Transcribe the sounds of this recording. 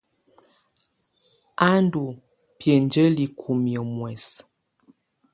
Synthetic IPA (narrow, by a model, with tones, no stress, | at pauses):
a˦n˦du˨ | pjə˨nd͡ʒə˦li˨kʰu˨mjə˨mwɛ˨s